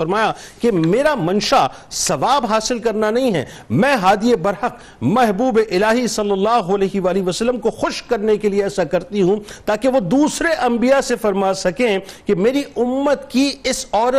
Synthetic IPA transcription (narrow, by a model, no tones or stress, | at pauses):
ɐɾmaːjakemeːɾamɐ̃nʃa | sɐʋaːbɦaːsɪlkɐɾnanɐɦĩɦɛ̰ː | mɛ̃ːɦaːd̪iebɐɾhəq | mɛɦbuːbeʔɪlaːɦisɐlːɐlːaːɦoɐlɛːɦʋaːliʋɐsɐlːəmkoxʊʃkɐɾnekelieɛːsakɐɾt̪iɦũt̪aːkeʋod̪uːsɾeʔɐ̃mbijasefɐɾmaːsɐkẽkemeːɾiʊmːət̪kiɪsɔːɾə